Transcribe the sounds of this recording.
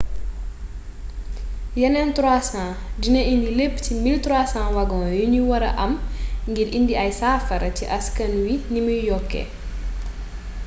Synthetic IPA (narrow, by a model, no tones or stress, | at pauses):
jɐnɛntɾwaːsãdinɐʔindilepːcimiltɾwaːsãwɐɡɔ̃ːjuniwɐɾɐ̰ʔɐmŋɡiɾindiɐjsaːfɐɾɐtiʔɐskɐnwinimujjɔkːɛ̰